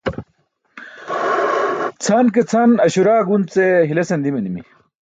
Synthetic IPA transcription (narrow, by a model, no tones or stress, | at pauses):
t͡sʰank̬et͡sʰanɐɕuɾaːɡunt͡seɦilesend̪imenimḭ